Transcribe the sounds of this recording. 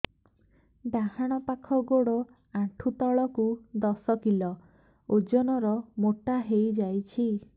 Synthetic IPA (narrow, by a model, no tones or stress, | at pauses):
ɖahaɽ̃ɔpakʰɔɡoɽɔ | aʈʰut̪ɔɭɔkud̪ɔsɔkilɔ | od͡ʒɔnɔɾɔmoʈaɦejd͡ʒajt͡ʃʰi